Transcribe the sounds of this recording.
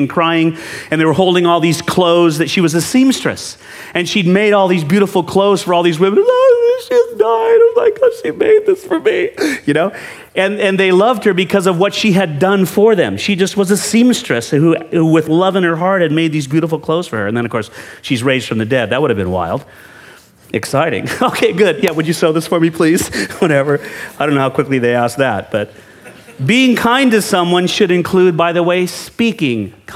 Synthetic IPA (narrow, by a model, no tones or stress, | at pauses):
nkʰɹ̥aɪɪ̃ŋɨ̃nðewə˞ɦoʊlˠdɪ̃ŋɔlˠðiz̥kʰl̥oʊzðɨtʃiwʌzɨsĩmstɹ̥ɨ̰s | ɨ̃nʃid̚meɪɾɔlˠðizbjʉɾəfl̩ˠkʰl̥oʊz̥fə˞ɔlˠðizwɪ̃mɨ̃nʃizdaɪãɪ̃mlaɪkʌʃimḛɪd̪̚ðɪsfə˞mijɨnoʊ | ɨ̃nɨ̃nðeɪlʌvd̚hə˞bɨkʰʌzʌvwʌtʃiɨdʌ̃nfə˞ðɨ̰̃mʃid͡ʒʌst̚wʌzɨsĩmstɹ̥ɨshuhuwɪðlʌvɨ̃nə˞ɦɑɹt̚hɨd̚meɪd̪̚ðizbjʉɾəfl̩ˠkʰl̥oʊz̥fə˞ə˞ɨ̃nðɨ̃nʌv̥kʰɔɹsʃizɹeɪzd̥fɹʌ̃mðɨdɛd̪̚ðɨt̚wʊɾɨvbɨ̃nwa̰ɪlˠd̥ | ɨksaɪɾɪ̰̃ŋoʊkʰeɪɡʊd̚jæwɨd͡ʒɨsoʊðɪsfə˞mipʰl̥iz̥wʌɾɛvə˞aɪɾõʊnoʊhaʊkʰwɪkliðeɪæsk̚ðæt̚b̥ʌt̚ | biɪ̃ŋkʰãɪ̃ndɨ̥sʌ̃mwʌ̃nʃɨɾɨ̃nkʰl̥ʉd̚baɪðəweɪspikɪ̃ŋkʰ